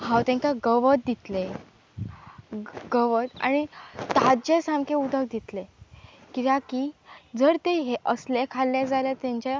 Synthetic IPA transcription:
hãwt̪ɛ̃ŋkaɡəʋət̪̚d̪it̪le | ɡəʋət̪a̰ñit̪ad͡ʑesãmkeud̪ək̚d̪it̪lekit̪akid͡zəɾt̪eɦeʔəslɛkʰalːjad͡zaljat̪ãɲt͡ɕa

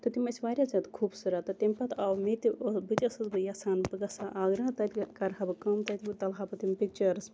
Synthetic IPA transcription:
t̪ɨt̪imɐsʲʋaːɾʲjazʲaːd̪kʰuːbsɨɾat̪ɐt̪imʲpɐt̪ʰawmet̪ibɨt͡ʃʲɐsɨzbɨjasaːnbɨɡɐsaʔaːɡɾaːt̪ɐt̪ʲkɐɾɦɐbɨkɐmt̪ɐt̪ʲbɨt̪ɐlɦabɐt̪impik̚t͡ʃɐɾɨs

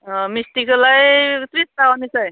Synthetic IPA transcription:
misʈikolajt̪ɾist̪aɦonet͡sʰʌj

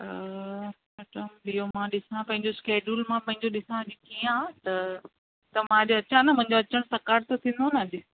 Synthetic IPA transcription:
mɛːʈəmɓiomãɗɪsãpɐ̃ɦɪ̃ɲd͡ʑoskeːd͡ʑuːlmãpɐ̃ɦɪ̃ɲd͡ʑoɗɪsãʄit̪ʰiːãːt̪ɐ | t̪ɐmãɗoɐt͡ɕãnɐmʊ̃ɦɪ̃ɲd͡ʑoɐt͡ɕəɽ̃sɐkaːɾt̪ot̪ʰĩːn̆d̪onɐɐʄɪ

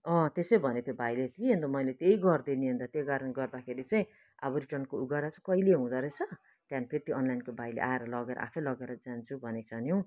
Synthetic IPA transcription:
ʌ̃t̪esʌjbʱʌnet̪jobajlet̪ieɦʌnd̪amʌjlet̪eiɡʌrd̪eniɦʌnd̪at̪jeɡaɾʌnɡʌrd̪akʰeɾit͡saĩ | abuɾiʈʌnkouɡʌɾat͡sakʌileɦũd̪aɾʌt͡sʰʌ | t̪janipʰeɾit̪joʔʌnlajnkobʱajlḛʔaeɾʌlʌɡeɾʌ̰ʔa̰pʰʌlʌɡeɾʌd͡zant͡sʰubʱʌnesʰʌnjo

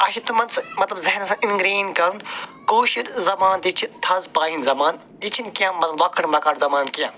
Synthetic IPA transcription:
ɐʃit̪umɐnsmɐt̪lɐbzɐɦnsãːinɡɾiːnkɐɾunkoːʃid̪zɐmaːnd̪it͡ʃʰit̪ʰɐzbaːjinzɐmaːn | it͡ʃʰinkijãmɐt̪lɐbɐkʰɐɽmɐkɐɾzɐmaːnkijãː

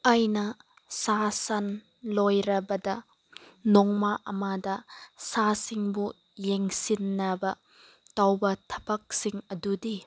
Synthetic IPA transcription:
ajnɐ | sasɐn | lojɾɐbɐdɐ | nɔŋmaʔɐmadɐsasiŋbu | jeŋsinːɐbɐ | tawbɐtʰɐ̥bɐk̚siŋɐdudi

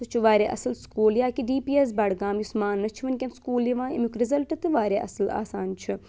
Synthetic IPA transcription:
tut͡ʃʰuʋaːɾʲeːʔɐsɐlskuːljaːkiɖiːpiːes̬baːɽɡaːmjusmaːnːɐt͡ʃʰiʋɐnkʲɐnskuːljiʋãːimukɾizɐlʈɨt̪ɨʋaːɾʲeːʔɐ̰sla̰ːsaːnt͡ʃʰi

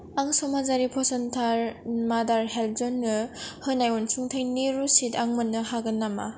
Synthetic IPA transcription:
aŋsɔmazaɾipʰɔsɔntʰaɾmadaɾɦel̚zɔnːɯhɯnajɔnsʰuŋtʰajniɾusitaŋmɯnːɯhaɡɯnːama̰

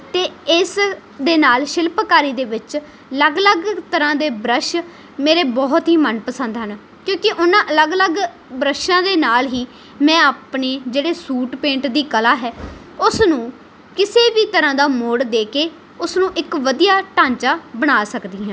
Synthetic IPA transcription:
t̪eːɪs | d̪eːnaːlʃɪlpkaːɾiːd̪eːʋɪt͡ʃ | ələɡləɡt̪əɾãːd̪eːbɾəʃ | meːɾeːbɔːt̪ɦiːmənpəsənd̪ɦən | kjõːkɪʔʊnːãːʔələɡələɡ | bɾəʃãːd̪eːnaːlɦiː | mɛ̃ːaːpɳeːd͡ʒeːɽeːsuːʈpẽːɳʈd̪iːkəlaːɦɛː | ʊsnũː | kɪseːʋiːt̪əɾãːd̪aːmoːɽd̪eːkeː | ʊsnũːʔɪkʋəd̪ijaːʈãːɲt͡ʃaːbəɽ̃aːsəkd̪iːɦãː

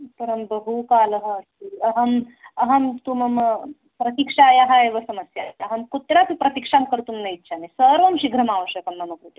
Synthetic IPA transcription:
pəɾɐmbəɦukaːlɐɦə | iɐɦɐmɐɦɐmt̪umɐm | pɾɐt̪ikʂajaɦaeʋɐsɐməsjat̪ɐɦɐmkut̪ɾatipɾɐt̪ikʂamkəɾt̪umnɐit̪ːɕʰanesəɾʋɐmɕiɡʱɾɐmaʋəɕəkɐmːɐnɐkut̪i

